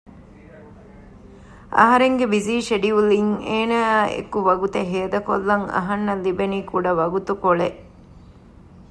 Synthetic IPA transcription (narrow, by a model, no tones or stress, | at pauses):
ɐ̰ɦɐɾeŋɡebiziːʃeɖiuliŋeːnaːḛkuʋɐɡut̪eɦeːd̪ɐkolːɐŋɐ̰ɦɐnːɐlibenikuɖɐʋɐɡut̪ukoɭeʔ